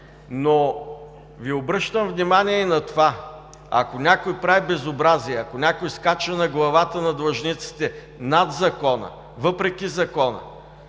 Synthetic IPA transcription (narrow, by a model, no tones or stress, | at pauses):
no | viobɾɤʃt̪əmvnimanʲiɛinɐt̪ova | ɐ̰konʲakojpɾavibɛzobɾaziɛɐkonʲakʊjskat͡ʃɐnɐɡlˠɐvat̪ənɐd̪vˠɐʒnit̪si̥t̪ɛ | nad̪zɐkɔnə̰ | vɤpɾɛkʲizɐkɔnə̰